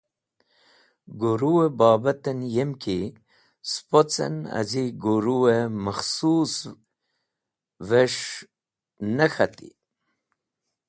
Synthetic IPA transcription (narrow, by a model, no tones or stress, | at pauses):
ɡoɾuwebɑːbat̪enjemkʰi | spot͡sḛna̰ziɡuɾuwemaxsuːs | veʂ | nəxat̪ḭ